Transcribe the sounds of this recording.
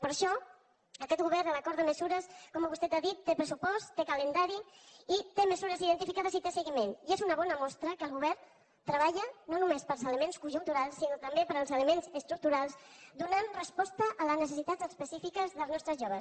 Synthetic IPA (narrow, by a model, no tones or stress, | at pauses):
pəɾʃɔ | əkɛt̪̚ɡuβɛɾnələkɔɾðəməzuɾəskɔməβust̪ɛt̪aðit̪ːepɾəsupɔst̪t̪ːekələnd̪aɾiit̪eməzuɾəziðənt̪ifikaðəzit̪esəɣimeniezunəβɔnəmɔst̪ɾəkəlˠɣ̞uβɛɾ | t̪ɾəβ̞aʎənonumespəlˠzələmenskuʒunt̪uɾalˠsːinot̪əmbepəɾəlˠzələmenzəst̪ɾuk̚t̪uɾalˠsd̪unanrəspɔst̪əʔːləznəsəsit̪at̪zəspəsifikəzðəlˠznɔst̪ɾəzʒoβə